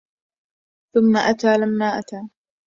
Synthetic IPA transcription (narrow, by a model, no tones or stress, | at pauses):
θʊmːaʔat̪aːlamːaːʔat̪aː